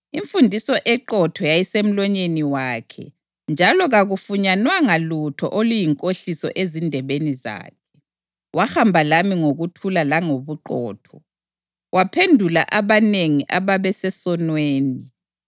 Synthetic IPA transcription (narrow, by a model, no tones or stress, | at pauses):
iɱfundʱisɔʔɛǃɔtʰɔjajisem̩lɔɲeniwaːkʰɛ̰ | nd͡ʒʱalɔɣaɣufuɲanwaŋalutʰɔ̰ʔolujiŋkʼoɬisɔ̰ʔezindʱɛβeniza̰ːk̚ʰɛ̥ | waxambʱalamiŋoɣutʰulalaŋoβuǃɔ̰ːtʰɔ | wapʰendʱula̰ʔaβaneŋiʔaβaβɛsɛsɔnweːni